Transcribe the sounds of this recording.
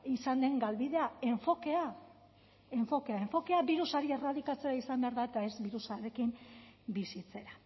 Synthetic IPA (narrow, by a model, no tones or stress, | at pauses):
isand̪e̞ŋɡalβiðe̞ae̞ɱfo̞ke̞a | e̞ɱfo̞ke̞ae̞ɱfo̞ke̞aβbiɾusaɾie̞raðikat͡se̞ɾaisambe̞aɾðaet̪ae̞zbiɾusaɾe̞kimbisit͡se̞ɾa